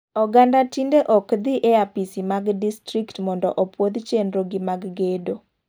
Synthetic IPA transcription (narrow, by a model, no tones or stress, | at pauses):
ɔɡandatindeʔɔkd̪iʔeapisimaɡdistɾiktmɔndɔ̰ʔɔpwod̪t͡ʃendɾoɡɪmaɡɡedo